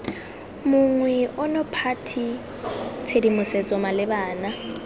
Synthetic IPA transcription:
mʊŋwɛʔʊnɔpʰatʰi | t͡sʰedimʊset͡sʼɔmalɪbaːna

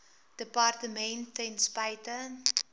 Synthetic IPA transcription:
d̥əpɑrtəmɛntɛnspɐjtə

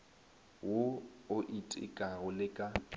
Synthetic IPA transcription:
woʊʔitʼɪ̰kʼaɣʊlɪkʼa

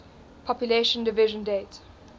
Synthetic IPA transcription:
pʰɔpjuleʃə̃ndɪvɪʒə̃ndeːt

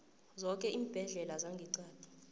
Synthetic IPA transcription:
zɔkʼɛʔiːb̥ʱɛɮɛlazaŋɡʱiǀaːd̥ʱi̥

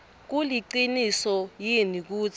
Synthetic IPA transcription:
k̬uliǃinisɔjinik̬uːt͡sʰ

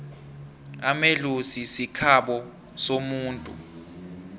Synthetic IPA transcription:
amelusisikʰaɓɔ | somuːntʼṵ

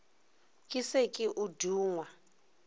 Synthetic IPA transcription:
kʼisekʼiʔuduːŋwa

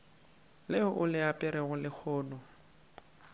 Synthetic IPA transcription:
leʊʔʊlɪapʼɪɾɛɣʊlɪk͡xʰɔːnɔ

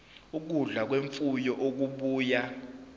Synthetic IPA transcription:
uk̬uɮak̬weɱfujɔʔok̬uɓuːja

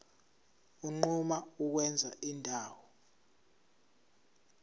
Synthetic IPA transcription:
uŋ͡ǃumauk̬wɛnd͡zʱa̰ʔindʱaːwɔ

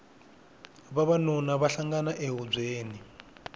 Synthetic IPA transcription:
βaβanɔnaβaɬaŋɡanaʔeɦub͡ʐeːni

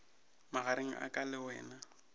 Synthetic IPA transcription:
maɣaɾeŋ̩ʔa̰kʼalɪwɛːna

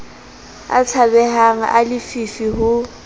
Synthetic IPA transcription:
a̰t͡sʰabɛhaŋ̩ʔa̰lɪfifiɦʊ

